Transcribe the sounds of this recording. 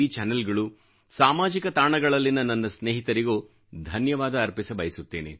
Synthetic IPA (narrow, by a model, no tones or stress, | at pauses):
it͡ʃɛnɐlɡɐɭu | saːmaːd͡ʒikɐt̪aːɳɐɡɐɭɐlːinːɐnːɐnːɐsneːɦit̪ɐɾiɡoː | d̪ʱɐnjɐʋaːd̪ɐːɾpisɐbɐjisut̪ːe̞ːnḛ